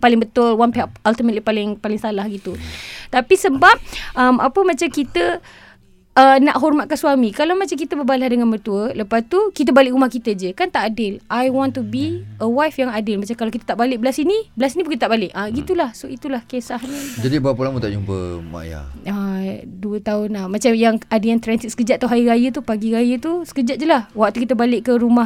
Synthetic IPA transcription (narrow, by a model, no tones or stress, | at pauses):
palɪŋbət̪ʊlwanpeɦaʔalt̪imət̪̚lipalɪŋpalɪŋsalahɡit̪ut̪apisəbap̚əma̰pəmat͡ʃamkit̪ə | ənaʔɦɔrmat̪̚kansuamikalamat͡ʃamk̬it̪əbəbalahdəŋanbərt̪uələpast̪ukit̪̬əbalɪʔumahkit̪əd͡ʒəkant̪aʔadɪlʔajwɔ̃nt̪ːubiəwajfjaŋadɪlmat͡ʃamkalakit̪ə̥t̪aʔbalɪʔ̚bəlasinibəlasinibukit̪ət̪aʔbalɪʔaɡit̪ulahsoit̪ulahkesahɲəd͡ʒadibaapəlamut̪aʔd͡ʒumpə̰ma̰ja̰əduət̪aʊnlamat͡ʃamjaŋadəjaŋt̪ɾɛnsit̪sə̥kəd͡ʒat̪ʔ̚t̪aɦaiɾajət̪upaɡiɾajət̪usə̥kəd͡ʒat̪̚d͡ʒəlahwak̚t̪ukit̪əbalɪʔkəɾumah